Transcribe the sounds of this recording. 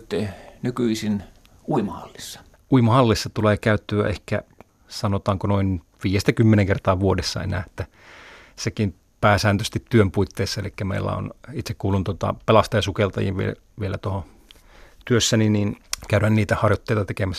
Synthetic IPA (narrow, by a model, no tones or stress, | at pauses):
t̪ːenykyisin | uimɑhɑ̰lːisːɑ̥ | ʔuimɑhɑlːisːɑt̪uleːkæˑyt̪ːyæ̰ʔehkæ̰ | sɑnot̪ɑːŋkonoin | ʋiːjest̪ækymːeneŋkert̪ɑːʋuodesːɑ̰ḛnæ̰ːet̪ːæ | sekin | pæːsæːnt̪øst̪it̪ːyømpuit̪ːeːsːɑelikːæmḛilːæ̰o̰nit̪sekkuːlːunt̪uot̪ɑ̰pelɑst̪ɑjɑsukelt̪ɑ̰jḭʋʋḭḛ | ʋielæ̰t̪oho | t̪yøsːæniniːnkæyɾænniːt̪æhɑrjot̪ːeˑit̪ɑt̪ekemæsː